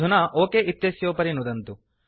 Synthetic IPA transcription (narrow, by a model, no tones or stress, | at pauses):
unɐʔoːkeʔit̪jɐsjoːpɐɾinud̪ɐnt̪u